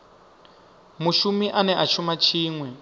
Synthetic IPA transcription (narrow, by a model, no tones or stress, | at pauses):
muʃumiʔanɛʔat͡ʃumat͡ʃʰiːŋwɛ